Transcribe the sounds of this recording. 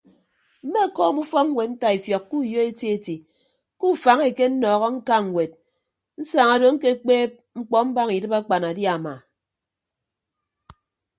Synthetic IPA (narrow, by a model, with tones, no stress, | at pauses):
m̩˦me˦˨kɔː˦˨mu˦fɔ˦ŋ̩˦we˨tn̩˦ta˦i˨fjɔ˨kːu˦˨jo˦e˦te˦e˦ti˨ | ku˦˨fa˨ŋe˨ke˦n̩˦nɔː˨ɣɔ˦ŋ̩˦ka˦ŋ̩˨we˨t̚ | n̩˦sa˨ŋa˨do˨ŋ̩˦ke˦k͡peː˦p̚ | ŋ͡m̩˦k͡pɔ˦m̩˦ba˦ŋi˨dɨ˦ba˦k͡pa˨na˨dja˦˨ma̰˨